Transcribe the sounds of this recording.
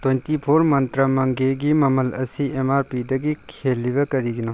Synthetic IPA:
twentipʰoɾmɐnt̪ɾɐmɐŋɡeɡimɐmɐlɐsiʔemaɾpidɐɡikʰelːibɐkɐɾiɡino

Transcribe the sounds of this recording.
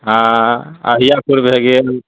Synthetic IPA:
ɦãə̰ɦijapuɾbʱeɡe

